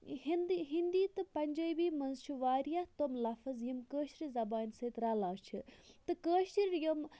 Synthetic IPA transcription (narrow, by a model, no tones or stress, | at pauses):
hind̪iɦind̪iːt̪ɨpɐnʲd͡ʒəːjbiːmɐnzt͡ʃʰiʋaːɾjat̪omlɐfɐzjimkəːʃɾizɐbaːnʲsɐːt̪ɾɐlaːt͡ʃʰɨt̪ɨkəːʃɾjom